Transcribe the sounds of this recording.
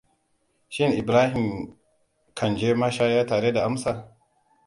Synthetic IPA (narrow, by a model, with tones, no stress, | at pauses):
ʃɪ˦nʔɪ˨bɾaː˦hɪ˨m | kʰɐ˨nd͡ʒeː˦ma˦ʃaː˦jaː˦taː˨ɾe˦da˨ʔa˦msa˨